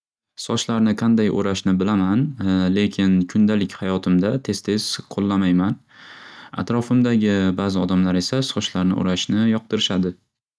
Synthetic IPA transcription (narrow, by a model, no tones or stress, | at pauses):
sɒt͡ʃlaɾnɪqʰɑnd̪ajʔo̰ɾaʃnɪbɪlamanle̞kʲʰɪnkʰʊnd̪alɪkʲhajɒt̪ʰɪmd̪at̪ʰe̞z̥t̪ʰe̞z̥qʰolˠːamajman | a̰t̪ɾɒfɪmd̪aɡʲɪbaːzɪɒd̪amlaɾe̞sasɒt͡ʃlaɾnɪ̰ʔo̰ɾaʃnɪjɒq̚d̪ɪɾɪʃad̪ɪ